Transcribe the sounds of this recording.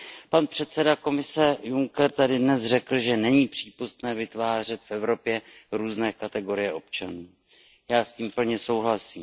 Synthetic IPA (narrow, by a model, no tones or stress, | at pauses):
panpr̝̥ɛt̪sɛdako̞mɪsɛjuŋkɛɾt̪adɪdnɛsr̝ɛkl̩ʒɛnɛɲiːpr̝̥iːpust̪nɛːvɪt̪vaːr̝ɛt̪fʔɛvɾo̞pjɛɾuːznɛːkat̪ɛɡo̞ɾɪjɛʔo̞pt͡ʃanuː | jaːsciːmpl̩ɲɛso̞wɦlasiːm